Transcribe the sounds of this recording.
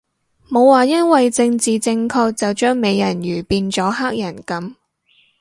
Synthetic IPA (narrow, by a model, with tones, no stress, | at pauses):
mo˨˧wwaː˨jɐ˥nwɐ˨jt͡sɪ˧ŋt͡siː˨˩t͡sɪ˧ŋkʰɔː˧k̚t͡sɐ˨wt͡ʃœː˥ŋme˨˧jjɐ˨˩nɥyː˨˩piː˧nt͡sɔː˨˥ɦaː˥k̚jɐ˨˩nkɐ˨˥m